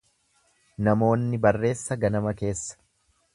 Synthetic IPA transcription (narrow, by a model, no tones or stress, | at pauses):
nɐmo̞ːnːɪbɐrːe̞ːsːɐɡɐnɐmɐke̞ːsːɐ̥